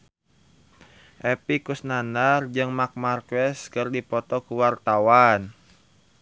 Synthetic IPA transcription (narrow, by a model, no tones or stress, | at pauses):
ʔɛpikusnandard͡ʒɨŋmak̚markwɛskərdipɔt̪ɔkuwart̪awan